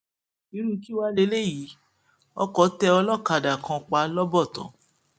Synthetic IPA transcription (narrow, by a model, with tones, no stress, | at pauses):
i˨˦ɾ̃ũ˦ki˦wa˦le˧˦le˦ji˨˦ | ɔ˧kɔ˨˦tɛ˧ɔ˧lɔ˦˨ka˧˨da˨kã˧k͡pa˧˦lɔ˦bɔ˦˨tɔ̰̃˨˦